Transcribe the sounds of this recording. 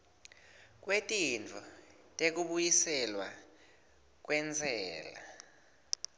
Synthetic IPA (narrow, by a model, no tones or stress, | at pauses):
k̬ʼwetʼint͡fʰu | tʼek̬uɓujisɛlwa̰ | k̬wɛnd͡zʱɛːla̰